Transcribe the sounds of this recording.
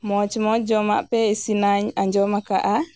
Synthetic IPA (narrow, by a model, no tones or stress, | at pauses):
mɔt͡ʃimɔd͡ʒɔma̰pɛɛsinaɲaɲd͡ʒɔmaka̰ʔa